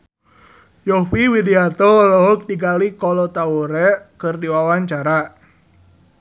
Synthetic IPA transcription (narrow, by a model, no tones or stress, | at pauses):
jɔwiwidiat̪ɔlɔɦɔk̚diɡalikɔlɔt̪auɾɛkɨrdiwawaɲt͡ʃaɾa